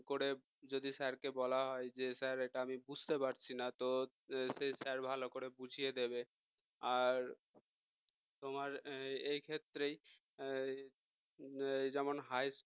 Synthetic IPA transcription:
koɾe | d͡ʑod̪isɛɾkebɔlaɦɔed͡ʑesɛɾeʈaamibud͡ʑʱt̪epaɾt͡ɕʰinat̪o | sesɛɾbʱalokoɾebud͡ʑʱijed̪ebe | aɾ | t̪omaɾejkʰet̪ːɾej | jd͡ʑɛmonɦajs

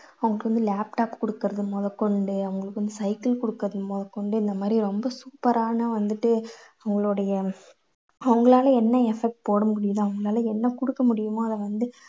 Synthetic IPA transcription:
ɐʋɐŋɡɐɭkːɯʋɐnd̪ɯlaːp̚ʈaːpkɔɽɯkːɐɾɐðɯmoːðɐkɔɳɖɯɐʋɐŋɡɐɭɯkːʋɐnd̪ɯsɐɪkɐlkɔɽɯkːɐɾɐðɯpoːðɐkːɔɳɖɯɪnd̪ɐmaːd̪ɾiɾɔmbɐsuːpɐɾaːnɐʋɐnd̪ɯʈːɯɐʋɐŋɡɐɭoːɽɐjɐ | ɐʋɐŋɡɐɭaːlɐɛnːɐɛfɛk̚ʈ̚poːɽɯmʊɽɪjɐðãɐʋɐŋɡɐɭaːlɐɛnːɐkʊɽɯkːɐmʊɽɪjɯmõːɐðɐʋɐnd̪ɯ

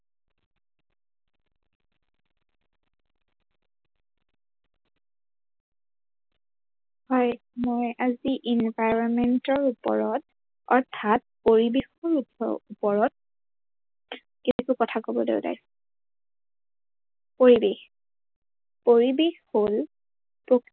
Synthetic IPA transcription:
hɔj | mojaziʔinvajɹɔnmɛntɔɹupɔ̰ɹɔt̚ | ɔɹtʰat̚poɹibexɔɹuɔ̰upɔɹɔt̚ | kekukɔtʰakobɔdḛʊda̰j | poɹibex | poɹibexhol | pɹok

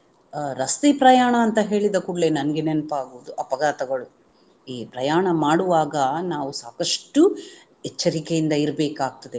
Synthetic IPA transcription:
ɾɐst̪epɾɐjaːɳɐːnt̪ɐɦe̞ːɭid̪ɐkuɽle̞nɐnɐɡenenpaːɡuʋud̪uʔɐpɐɡaːt̪ɐɡɐɭu | iːpɾɐjaːɳɐmaːɽuʋaːɡɐnaːʋusaːkɐʂʈu | ɛt͡ʃːɐɾikejind̪ɐiɾbeːkaːɡ̚t̪ɐd̪e

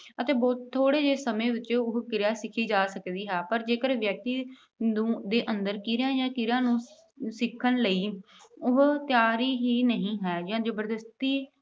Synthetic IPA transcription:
ət̪eːbɔːt̪t̪ʰːoːɽeːd͡ʒeːsəmẽːʋɪt͡ʃːʊɦkɪɾaːsɪkʰiːd͡ʒaːsəkd̪iːɦɛːpəɾd͡ʒeːkəɾʋjək̚t̪iː | nũːd̪eːʔənd̪əɾkɪɾjãːjãːkɪɾjãːnũː | sɪkʰːənləiː | ʊɦt̪ɪjaːɾiːɦiːnəɦĩːɦɛːd͡ʒãːd͡ʒəbəɾd̪əst̪iː

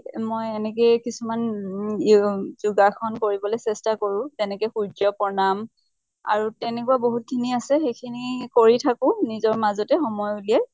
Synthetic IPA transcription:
mojɛnɛkɛkisuman | zuɡaxʰɔnkoɹibɔlejsɛstakoɹʊ̃zɛnɛkɛjxuɹd͡ʒɔpɔnam | a̰ɹutɛnɛkuaboɦut̚kʰiniasɛxejkʰinikoɹitʰakʊ̃nizɔɹmazɔtɛxɔmɔjuliɛj

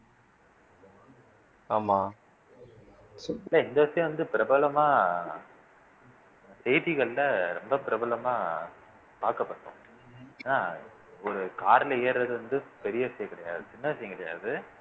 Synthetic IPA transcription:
aːmaː | ɪlːɐɪnd̪ɐʋɐʂɐjʊ̃ʋɐnd̪ɯpɪɾɐbɐlɐmaː | sɛjðiɣɐɭlɐɾɛmbɐpɪɾɐbɐlɐmaː | paːɾkɐpːɐʈːõ̰ː | naː | ɔɾɯkaːɾɐlɐeːɾɾɐðɯʋɐnd̪ɯpɛɾɪjɐʋɪʂɐjɐkɪɽɐja̰ːðɯt͡ʃɪnːɐʋɐʂɐjʊ̃kɪɽɐja̰ːðɯ

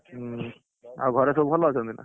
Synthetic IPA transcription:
a̰ɡʱɔɾesobpʰɔlɔsʰɔnd̪ina̰

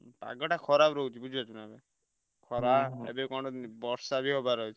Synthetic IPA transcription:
pa̰ɡɔʈakʰɔɾabɾɔut͡ʃʰibud͡ʒʱibat͡ʃʰunabe | kʰɔɾaḛbekɔ̃ʈɔbɔɾsabʱiɦobaɾɔɦut͡ʃʰ

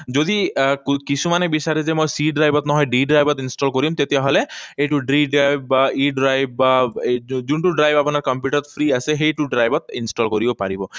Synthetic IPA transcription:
d͡ʒod̪ikkisʰumanebisaɾizemojsiɖɾajbɔt̪nɔɦɔjɖiɖɾajbɔt̪insʈɔlkoɾimt̪et̪iaɦɔleejʈuɖɾiɖɾajbaiɖɾajbba | d͡ʒuɳʈuɖɾajbapunaɾkɔmpjuʈɔɾt̪pʰɾiaseɦejʈuɖɾajbɔt̪̚insʈɔlkoɾibɔpaɾibɔ

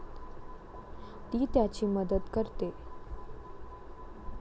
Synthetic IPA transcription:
t̪iːt̪jat͡ɕiːməd̪ət̪kəɾt̪e

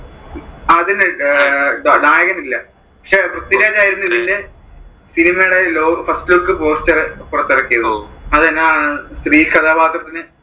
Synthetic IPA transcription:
ɐðinɨ | ɖnaːjɐɣɐmilːɐ | pɐkʂeʋrut̪ːileːtːaːjiɾunːuiðilːe | sinimɐjuɽeloːfɐstɨloːkːɨpo̞ːstɐrɨpːurɐt̪ːirɐkːijɐðɐðɨɐnːeast̪riːlkɐt̪ʰaːbʱaːt̪rɐt̪ːinɨ

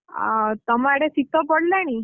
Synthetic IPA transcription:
t̪əmaɽesit̪əpəɽlañi

